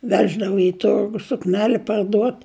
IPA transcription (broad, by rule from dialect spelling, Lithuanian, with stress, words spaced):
ˈʋʲæːʒdɐʋoː ɪ ˈtʊrɡʊ sʊkˈnʲæːlʲɪ pɐrˈduɔt